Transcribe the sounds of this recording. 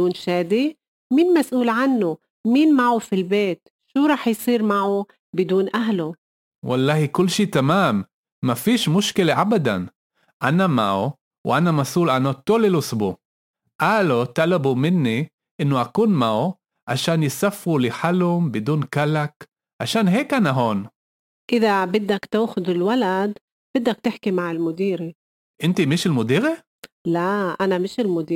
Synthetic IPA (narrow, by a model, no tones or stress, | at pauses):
ɪd̪uːnʃaːd̪i | miːnmasʔuːlʕanːu | miːnmaʕufilbeːt̪ | ʃuːɾˤɑːħjsˤiːɾmaʕu | bɪd̪uːnʔaɦlu | walˤːɑːhikʊlːʃiːt̪amaːmː | afiːʃmʊʃkɪleʕabad̪a̰n | ʔanamaʕṵ | wʔanamasʔuːlʔanat̪oːlelʊsbu | ʔaːlot̪alabumɪnːi | ʔɪnːʊʔakuːnmau | ʕaʃaːnjɪsafːulɪħalʊmbɪd̪uːnkalak | ʕaʃaːnɦeːkʔanʔaɦoːn | ʔɪðabɪd̪ːakt̪uːxʊd̪ɪlwalad̪ | b̥ɪd̪ːak̚t̪ɪħkimaʕɪlmʊd̪iːɾi | ʔɪnt̪imɪʃɪlmʊd̪iːɾi | laʔanamɪʃɪlmʊd̪iː